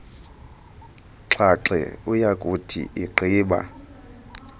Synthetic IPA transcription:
ǁʰaǁɛ̰ujakʼutʰḭʔiǃʰʱiːɓa̰

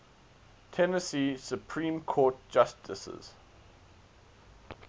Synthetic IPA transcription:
tʰɛnəsiːsjupʰɹĩːmkʰɔːˑt̚d͡ʒastʰɪ̰sə̰z̥

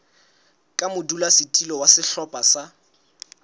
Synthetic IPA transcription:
kʼamʊdulasɪtʼilɔwasɪɬɔpʼasa

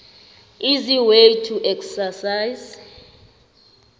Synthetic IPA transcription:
iziwejtʰuʔɛksasajz

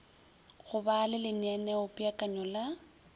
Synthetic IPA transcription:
ɣʊbaːlɪlɪnɛnɛʊpʼɪakʼaɲɔla

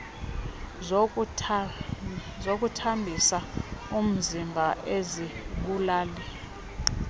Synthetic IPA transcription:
zok̬ʼutʰambʱisaum̩zimbʱaʔeziɓulaːlɛ

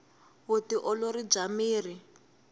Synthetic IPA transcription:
utiʔɔloɾid͡ʒamiːri

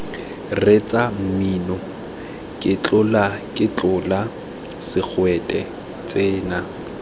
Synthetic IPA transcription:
ret͡sʼam̩minɔ | kʼɪt͡ɬʼʊlakʼɪt͡ɬʊla | sɪk͡xʰwɛtʼɛ | t͡sʼeːna

